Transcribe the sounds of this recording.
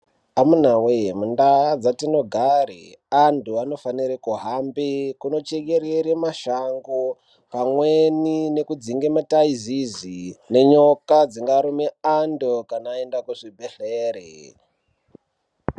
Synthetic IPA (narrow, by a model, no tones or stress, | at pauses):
amun̤awemundad͡zatino̞ɡʱarḛantuano̞faniɾekuɦambekuno̞t͡ʃeɡe̞ɾeɾemaʃaŋɡo | pamwenine̞kud͡ziŋɡemataizizine̞ɲo̞kad͡ziŋɡaɾomeandokanaːendakuʐibʱeɬeːɾḛ